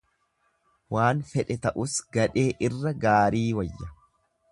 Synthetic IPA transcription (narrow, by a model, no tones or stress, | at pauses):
waːnfɛᶑɛt̪ɐʔʊsɡɐᶑe̞ːʔɪrːɐɡaːɾiːwɐjːɐ